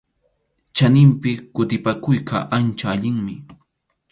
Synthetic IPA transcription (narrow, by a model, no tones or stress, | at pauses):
t͡ʃanɪmpɪkʊt̪ɪpakʊjkʰa̰ʔant͡ʃaːʎɪŋmɪ